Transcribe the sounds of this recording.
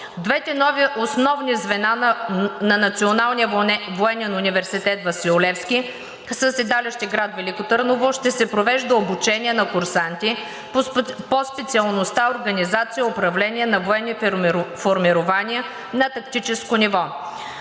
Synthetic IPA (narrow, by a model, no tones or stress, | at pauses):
d̪vɛt̪ɛnɔviʔosnɔvnizvɛnanɐnɐt̪sionalˠniəvoɛnɛnʊnivɛɾsit̪ɛt̪vɐsilˠʊlɛfskʲi | səsɛd̪alɛʃt̪iɡɾat̪vɛlikot̪əɾnovoʃt̪ɛsɛpɾovɛʒd̪əobut͡ʃɛnʲiɛnɐkʊɾsant̪ʲi | pospɛt̪siəlˠnost̪aoɾɡɐnizat̪sijəopɾɐvlɛnʲiɛnɐvoɛnifoɾmiɾʊvaniɛ | nɐt̪ɐkt̪it͡ʃɛskonivɔ